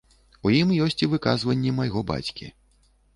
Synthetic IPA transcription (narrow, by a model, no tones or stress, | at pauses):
ujimjɔsʲt͡sʲivɨkazvɐnʲːɛmajɣɔba̰t͡sʲkʲḭ